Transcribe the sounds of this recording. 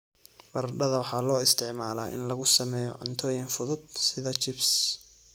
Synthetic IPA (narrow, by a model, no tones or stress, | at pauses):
bɐrɖɐðɐwɑħɑːlɔːɪst̪ʰɪʕmaːla̰ːʔɪ̰nlɐɣʊsɐmɛːjɔ̰ʕʊ̰nt̪ʰɔːjɪnfʊðʊd̪̚sɪðɐt͡ʃɪbs